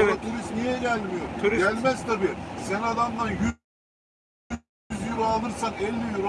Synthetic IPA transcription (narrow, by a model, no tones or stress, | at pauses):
lɑt̪ʰuɾist̪nijɛɡʲælːmjoɾʲælmɛsd̪ɑbɪɾsɛnɑd̪ɑmd̪ɑnjy | zjyɾɑlˠɯɾsɑnelːɪjyɾ